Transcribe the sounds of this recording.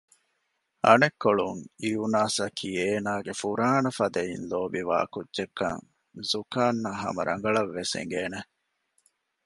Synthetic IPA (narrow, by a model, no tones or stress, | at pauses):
ɐnekːoɭuŋijunaːsɐkʰiːeːnaːɡefuɾaːnɐfɐd̪ɐinloːbiʋa̰ːkudːʒekːɐ̰ŋ | zukaːnːɐɦɐ̰mɐɾʔɐ̰ŋɡɐɭɐʋːesḛŋɡeːne